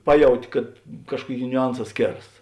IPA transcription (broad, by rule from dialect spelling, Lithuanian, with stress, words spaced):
ˈpɑːˌjɛʊtʲɪ kɐt ˈkɑːʃkuɔˌkʲeːɪ nʲʊˈɐnˌsɑː ˈsʲkʲeːrɐs